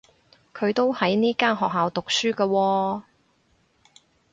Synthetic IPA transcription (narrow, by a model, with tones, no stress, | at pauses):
kʰɵ˨˧ɥt̪o˥whɐ˨˥jniː˥kaː˥nɦɔː˨k̚ɦaː˨wt̪ʊ˨k̚syː˥kɐː˧wɔː˧